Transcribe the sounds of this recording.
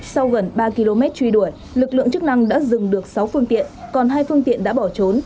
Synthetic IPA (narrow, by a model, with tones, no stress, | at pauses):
sa˧wɣə˨˩nɓaː˧ki˧lo˧mɛ˦˥t̚t͡ɕwi˧ɗu˧˩əj | lɨ˨˩k̚lɨ̰˧əŋt͡ɕɨ˦˥k̚na˧ŋɗa̰ː˧˥zɨ˨˩ŋɗɨ˨˩ək̚sa˨˦wfɨ˧əŋt̪ḭ˧˨ənkɔ˨˩nɦaː˧jfɨ˧əŋt̪ḭ˧˨ənɗa̰ː˧˥ɓɔ˧˩t͡ɕo˨˦n